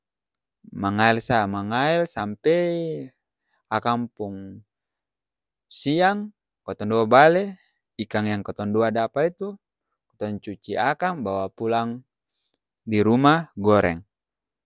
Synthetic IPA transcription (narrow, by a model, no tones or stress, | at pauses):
maŋaɛlsamaŋaɛlsampɛj | akampuŋ | siaŋ | kɔt̪ɔnduabalɛ | ikaŋjaŋkɔt̪ɔnduadapait̪u | kɔ̥t̪ɔɲt͡ʃut͡ʃiakambawapulaŋ | diɾumaɡɔɾʔɛ̰ŋ